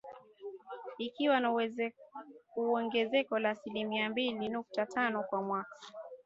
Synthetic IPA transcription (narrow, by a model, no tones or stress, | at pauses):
ikiwana | uɔŋɡɛzɛkɔlaːsilimiambilinuk̚tatʰanɔkwamwakḁ